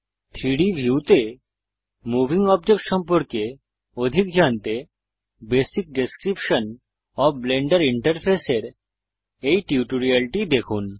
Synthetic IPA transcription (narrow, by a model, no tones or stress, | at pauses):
t̪ʰɾiɽibʱjut̪e | mubʱiŋɔbd͡ʑek̚ʈʃɔmpoɾke | od̪ʱikd͡ʑant̪e | besik̚ɖeskɾipʃon | ɔbleɳɖaɾiɳʈɐɾpʰeseɾ | ejʈiuʈoɾialʈid̪ekʰun